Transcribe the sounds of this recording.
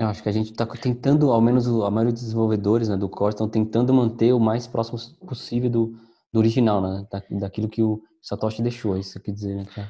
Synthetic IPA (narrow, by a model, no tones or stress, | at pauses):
ewaʃʊ̥kɪɐʒẽnt͡ʃɪ̥t̪akt̪ẽnt̪ɐ̃nd̪ʊawmẽnʊzʊɐmajɔɾiɐd̪ʊzd̪zẽvowved̪oɾɪznɛd̪ʊkʰɔɾst̪ɐ̃w̃t̪ẽnt̪ɐ̃nd̪ʊmɐ̃nt̪eʊmajspɾʔɔsimʊposivewd̪ʊ | d̪ʊoɾiʒinawnɛɛd̪ad̪akilʊkɪʊ | sat̪ɔʃɪd̪eʃoisekɛd͡ʒizeɾnɛkaɾ